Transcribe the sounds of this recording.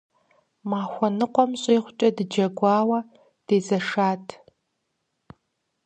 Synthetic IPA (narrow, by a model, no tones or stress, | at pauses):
maːxʷɔnɨqʷɔmɕʼiːχʷʊt͡ʃʼɐdɨd͡ʒɐɡʷɑːwɐ | d̥eːzɐʂaːtʰ